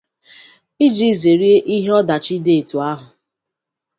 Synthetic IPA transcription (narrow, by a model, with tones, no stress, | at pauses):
i˦d͡ʒi˦˨ze˨ɾi˦e˦ʔi˦ɦe˦ɔ˦da˨t͡ʃi˦de˦˨e˨tu˨a˦ɦʊ˨